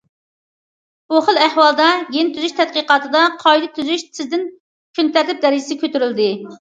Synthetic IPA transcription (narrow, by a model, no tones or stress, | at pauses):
buχəlˠæhwɑlˠd̪ɑjent̪ʰyzyʃt̪ʰɛt̪̚qəqɑːt̪ʰɨd̪ɑqʰɑjd̪ɨt̪ʰyzyʃt̪ʰɪzd̪ɪn | kʲʰynt̪æɾlɪp̚d̪ɛɾɪd͡ʒɪsɪkʲʰøt̪ʰyɾyld̪ɪ